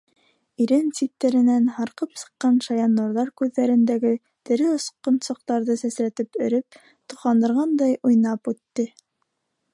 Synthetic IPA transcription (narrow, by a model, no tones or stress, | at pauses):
iɾɘnsit̪ːæɾɘ̆nænhɑɾqɤpsɤ̥̆qːɑnʃɑjɑnːuɾðɑɾkʉðːæɾɘ̆nd̪æɡɘ | t̪ɘ̆ɾɘŏsqːɤ̆nsɤ̆q̚t̪ɑɾðɤsæsɾæt̪ɘpɵ̆ɾɘp̚ | t̪ŏqɑnd̪ɤ̆ɾʁɑnd̪ɑjʔujnɑpʉt̪ːɘ